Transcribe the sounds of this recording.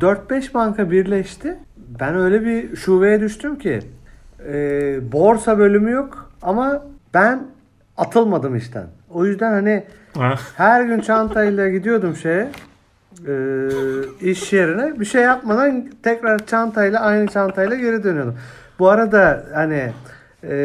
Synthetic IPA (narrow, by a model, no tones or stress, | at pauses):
d̪øɾt̪̚bɛʃbaŋkabiɾlʲɛʃt̪ʰɪ | bænø̞jlʲɛbiʃuːve̞jɛd̪yʃt̪ʰymcʰɪ̰ | ɛːbo̞ɾsabø̞lʲymyjo̞kamab̥æn | at̪ʰɯlˠmad̪ɯmḭʃt̪ʰæ̰no̞jyzd̪ænhani | hæɾɟynt͡ʃʰant̪ʰajlˠaɟid̪ijo̞d̪umʃejɛ | ɯː | iʃːijeɾinɛbiʃejːap̚mad̪ant̪ʰɛcɾaɾt͡ʃʰant̪ʰajlˠaajnɯt͡ʃʰant̪ʰajlˠaɟe̞ɾid̪ønyjo̞d̪umbuaɾad̪ahani